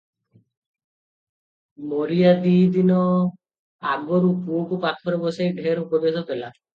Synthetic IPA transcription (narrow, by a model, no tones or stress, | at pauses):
moɾijad̪iːd̪inɔ | aɡɔɾukuokupat̪ʰɔɾebɔsejɖʱeɾukɔbasɔpʰela